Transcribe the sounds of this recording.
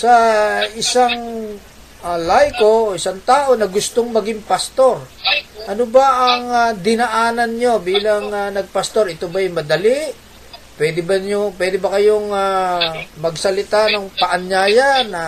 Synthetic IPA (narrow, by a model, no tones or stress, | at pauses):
sɐɪsaŋ | alajko̞oʔɪsaŋt̪aːʔo̞nɐɡʊst̪oŋmɐɡɪŋpɐst̪o̞ɾʔɐnobaʔɐŋad̪ɪnɐʔaːnɐnɲo̞biːlɐŋanɐɡ̚pɐst̪o̞ɾɪt̪obaɪmɐd̪ɐlɪʔ | pwɛːd̪ɪbɐɲoŋpwɛːd̪ɪbɐkɐjoŋa | mɐɡsɐlɪt̪anɐŋpɐʔɐɲjaːjanɐ